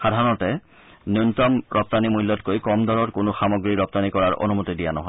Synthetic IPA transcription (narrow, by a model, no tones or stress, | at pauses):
xadʱaɹɔɔtɛ | njontɔmɹʔɔp̚tanimuɦilːɔtkojkɔmd̪ɔɹɔɹkʊnʊxamɔɡɹiɹɔp̚tanikɔɹaɹʔo̰numutidijanɔɦɔj